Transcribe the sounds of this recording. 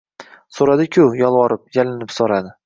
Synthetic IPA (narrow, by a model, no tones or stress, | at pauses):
soɾad̪ɪkʲʰʊjɒlˠwɒɾɪp̚jalɪnɪpsoɾad̪ɪ